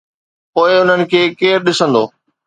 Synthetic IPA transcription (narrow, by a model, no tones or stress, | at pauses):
poːɪʊn̤ənɪ̆kʰeːkeːɾɗɪsə̃nd̪o̰ː